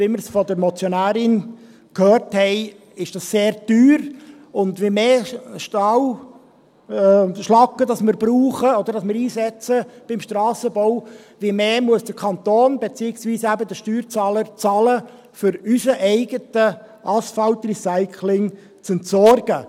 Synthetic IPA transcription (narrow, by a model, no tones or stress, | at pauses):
ɪmɪɾsfɔd̪əɾmɔt͡sjɔnæːɾɪn | kʰhøːrthɛɪ | ɪʃd̥ɑsːeːɾd̥yːɾ | ʊndʋemeːʃtɑw | ʃlɑkːədɑsmɪɾb̥ɾuːχəɔd̥̪əɾdɑsmɪɾiːsɛt͡səb̥ɪmʃtrɑːsəbɔʊ | ʋimeːmuəsd̥əkʰɑnt̪oːnbet͡siːɪksʋiːsæbəd̪əʃtyːɾt͡sɑːləɾt͡sɑːlə | fʏɾysəʔɛɪɡətə | ʔɑsfɑltrisaɪkʰlɪŋ | t͡sɛntsɔrɡ̥ə